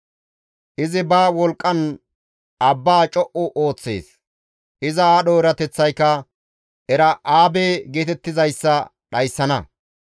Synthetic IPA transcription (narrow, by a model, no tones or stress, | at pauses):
ʔɪzɪbaːwɔlkʼːɐn | ɐbːaːt͡ʃʼɔʔʊʔoːt͡sːe̞̰ːs | ʔɪzɐaːɗɔɪɾɐt̪ɛt͡sːɐjkːɐ | ʔɛɾɐʔaːbeːɡeːt̪ɛt̪ːɪzɐjsːɐ | ɗɐjsːɐnɐ